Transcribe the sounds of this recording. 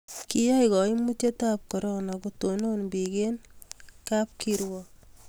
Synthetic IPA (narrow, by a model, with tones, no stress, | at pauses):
ki˦ja˦jkɔ˨i˦mu˦te˦ta˦p̚kɔ˨ɾɔ˦na˨ɡuto˨no˦nbi˨ɡe˦nka˦p̚kiɾwɔ˨